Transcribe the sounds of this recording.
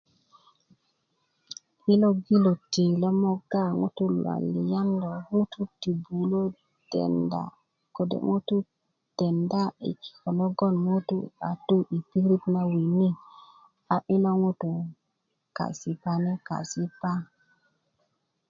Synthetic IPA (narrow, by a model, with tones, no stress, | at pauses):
i˦lo˦ɡi˦lo˨ti˨lo˦mo˦ɡa˦˨ŋṵ˦tu˦lwa̰˨lḭ˨ja˦ndo˨ŋu˦tu˦ti˨bu˨lo˦ | dḛ˨nda̰˨ | ko˨dḛ˨ŋu˦t̪u˦ | d̥e˨nda˦ḭ˨ki̥˨ko˨lo˦ɡo˦nmu˦tṵ˦a˨tu˦ʔi˨pi˦ɾi˦pna˦wi˨ni˦ | a˨ʔi˦lo˦ŋu˦tu˨ | ka̰˨si˨pa˦ne˦ka̰˨si˦pa˦